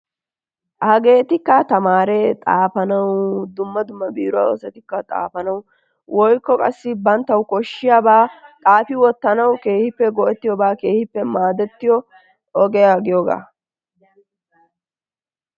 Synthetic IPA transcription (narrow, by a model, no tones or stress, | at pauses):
ʔhɐɡe̞ːt̪ɪkːɐt̪ɐmaːɾɛt̪ʼaːfɐnɐwd̪ʊmːɐd̪ʊmːɐbiːɾʊa̰ːɔsɛt̪ɪkːɐt̪ʼa̰ːfɐnɐw | wʔɔjkːɔkʼɐsːɪbɐnt̪ːɐwkɔʃːɪjaːbaːt̪ʼaːfɪwɔt̪ːɐnɐwke̞ːhɪpːɛɡɔʔɛt̪ːɪjɔbaːke̞ːhɪpːɛmaːd̪ɛt̪ːɪjɔ | ɔɡɛjaɡɪjɔɡa̰ː